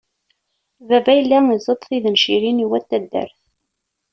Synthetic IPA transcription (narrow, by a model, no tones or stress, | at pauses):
vævæjəlːæizˤət̪ˤθiðənʃiɾiniwæt̪ːæd̪ːæ̰ɾθ